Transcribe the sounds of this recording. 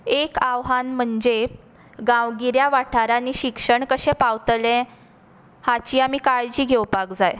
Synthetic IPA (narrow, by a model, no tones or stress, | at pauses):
ekaʋɦanm̤əɳd͡ze | ɡãʋɡiɾjaʋaʈʰaɾanːiːɕikʂəɳkəɕẽpawt̪lẽ | hat͡ɕiːamiːkaɭd͡ʑiːɡʱewpakd͡zaj